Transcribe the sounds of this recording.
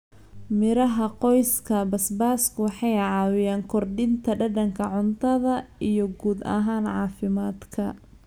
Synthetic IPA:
mɪɾɐɦɐqɔjskʰɐbɐsbaːskʰʊwɑħɑjʕɑːwɪjaːŋkʰɔrɖɪnt̪ʰɐɖɐɖɐŋkʰɐʕʊnt̪ʰɐðɐijɞɡuːd̪ɐ̰ɦaːnʕɑːfɪmaːd̪kʰɐ

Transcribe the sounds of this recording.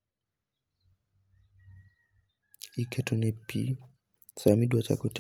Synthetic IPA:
ikʰɛtɔnɛpḭ | samidwat͡ʃa̰kɔt

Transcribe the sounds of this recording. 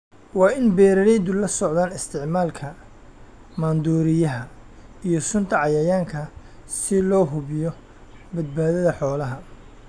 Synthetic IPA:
wɑːɪnbɛːɾɐɾɛjd̪ʊlɐsɔʕðaːnɪst̪ʰɪʕmaːlkʰɐ | maːnd̪uːɾɪjɐɦɐijɞsʊnt̪ʰɐʕɑjɐjaːŋkʰɐ | sɪlɔːɦʊβɪjɔ | bɐd̪̚baːðɐðɐħɔːlɐɦɐ

